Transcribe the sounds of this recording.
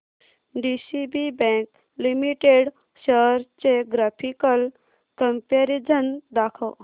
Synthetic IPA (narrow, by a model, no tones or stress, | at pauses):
ɖisibibɛ̃ŋk̚ | limiʈeɽ | ɕəɾt͡ɕeɡɾapʰikəl | kəmpeɾid͡zʱənd̪akʰəw